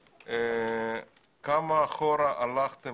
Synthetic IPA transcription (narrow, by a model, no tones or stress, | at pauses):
e | kamaːχoɾaʔalaχt̪e